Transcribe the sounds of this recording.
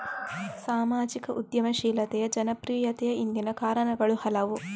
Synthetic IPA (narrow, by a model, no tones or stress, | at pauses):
saːmaːd͡ʒikɐʔud̪jɐmɐʃiːlɐt̪ɛjɐd͡ʒɐnɐpɾiːjɐt̪ɛjɐind̪inɐkaːɾɐɳɐɡɐɭuhɐlɐʋu